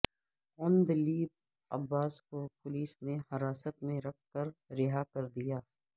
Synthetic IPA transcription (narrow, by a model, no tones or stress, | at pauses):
ɐ̃nd̪liːb̚ | ɐbːaːskopʊliːsnehɐɾaːsət̪mẽɾɐk̚ʰkɐɾɾɪɦakɐɾd̪ijaː